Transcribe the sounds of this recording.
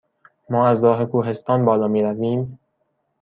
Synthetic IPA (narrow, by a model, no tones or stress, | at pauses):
mɒːæzɾɒːɦekʰuːɦe̞st̪ɒːnbɒːlɒːmiːɾæviːm